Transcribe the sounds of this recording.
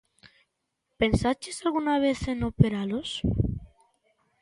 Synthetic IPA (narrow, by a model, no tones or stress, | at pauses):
pe̞nsat͡ʃesalɣunaβe̞θe̞nope̞ɾalos